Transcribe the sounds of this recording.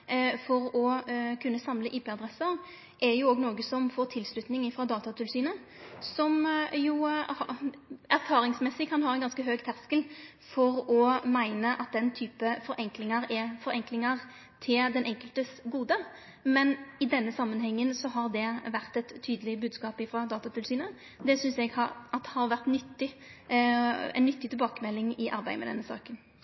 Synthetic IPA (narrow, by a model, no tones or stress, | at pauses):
fɔɾɔkʰʉnːəsɑmləʔiːpɛːɑd̪ʁɛsəʁ | ʔɛjʊoːɡnoːɡəsɔmfoːʁt̪ʰɪlslʉt̪nɪŋɪfɾɑːd̪ɑːt̪ɑt̪ʰɪlsyːnə | sɔmjuhæɾfɑːɾɪŋsmɛsɪkʰɑnɦɑːɾɛɪnɡɑnskəɦøːɡt̪ʰæʁskəl | fɔʁɔmæɪnəʔɑt̪̚d̪ɛnt̪ʰyːpəfɔɾʔɛŋklɪŋɑɾɛfɔɾɛŋklɪŋɑʁ | t̪ʰɪld̪ɛnʔɛŋkəlt̪əsɡuːd̪ə | mɛnɪd̪ɛnːəsɑmːənɦɛŋːənsɔɦɑʁd̪ɛʋæʁt̪ɛt̪ʰːyːd̪əlɪbʉːd̪skɑːpɪfʁɑd̪ɑːt̪ɑt̪ʰɪlsyːnə | d̪ɛsʏnsɛɡhɑɑt̪ːhɑɾʋæʁt̪nʏt̪ːɪ | ɛ̰nːʏt̪ːɪt̪ʰɪlbɑːkəmɛlːɪŋɪʔɑ̰ɾbæɪmɛd̪ɛ̰nːəsɑ̰ːkən